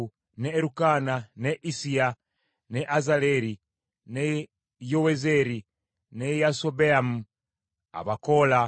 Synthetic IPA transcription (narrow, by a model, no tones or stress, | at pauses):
neːɾukananeʔisia | neʔazaleɾi | ne | jowezeɾi | nejasobeamu | a̰βakola